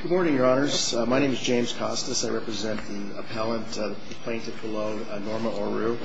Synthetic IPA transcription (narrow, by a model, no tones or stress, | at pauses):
ɡ̥ʊd̚mɔɹnɪ̃ŋjə˞ɑnə˞z̥maɪɾẽɪ̃mɨzd͡ʒẽɪ̃mz̥kʰɑstɨsaɪɹɛpɹɨzɛ̃nði | ə̰pʰɛlˠə̃nt | ð | əpʰl̥ẽɪ̃ntɨv̚b̥əloʊ | nɔɹməɔɹɹʉ